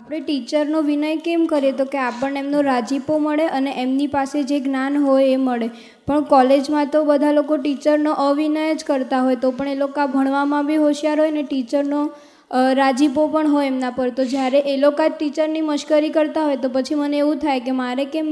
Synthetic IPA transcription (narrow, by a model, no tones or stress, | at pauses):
apɽ̃eʈit͡ʃəɾnoʋinəjkemkəɾet̪okeapəɳemnoɾad͡ʒipoməɭeʔəneʔemnipased͡ʒeɡnanɦojeməɭe | pəɳkɔled͡ʒmãt̪obəd̪ʱalokoʈit͡ʃəɾnoʔəʋinəjəd͡ʒkəɾt̪aɦojt̪opəɳelokabʱəɳ̃ʋamãbʱiɦoʃijaɾɦojneʈit͡ʃəɾno | ɾad͡ʒipopəɳɦojemnãpəɾt̪od͡ʒjaɾeʔelokaʈit͡ʃəɾniməʃkəɾikəɾt̪aɦojt̪opət͡ʃʰiməneeʋũt̪ʰajkemaɾekem